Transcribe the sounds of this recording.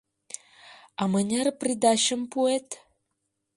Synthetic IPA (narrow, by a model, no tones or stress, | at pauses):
ɑmənʲerprid̪ɑɕə̆mpuet̪